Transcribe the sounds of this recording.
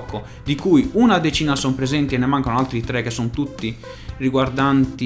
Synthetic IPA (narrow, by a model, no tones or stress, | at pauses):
kːo | d̪ikujunad̪et͡ʃiːnasɔmpɾezɛnt̪iɛnːemaŋkanoalt̪ɾit̪ɾɛkːesːɔnt̪ut̪ːi | riɡward̪ant̪i